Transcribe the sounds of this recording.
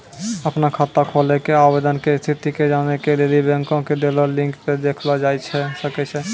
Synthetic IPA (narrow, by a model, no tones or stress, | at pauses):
əpnakʰat̪akʰolekeabed̪ənkest̪ʰit̪iked͡ʒanekelelibɛ̃ŋkõkeɖelolɪ̃ŋkped̪ekʰlad͡ʒaɛt͡ʃʰɛsəkɛt͡ʃʰɛ